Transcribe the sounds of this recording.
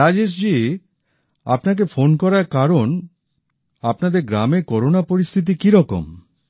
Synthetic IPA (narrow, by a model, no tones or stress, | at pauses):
ɾad͡ʑeʃ̬d͡ʑi | a̰pnak̬efonkɔɾaɾkaɾon | apnad̪eɾɡɾameɾkɔɾonapoɾist̪ʰit̪̬ikiɾɔko̰m